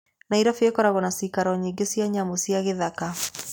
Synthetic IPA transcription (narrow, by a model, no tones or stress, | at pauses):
naiɾafiekɔɾaɣɔnasikaɾɔɲiŋɡesiaɲamosiaɣeðaka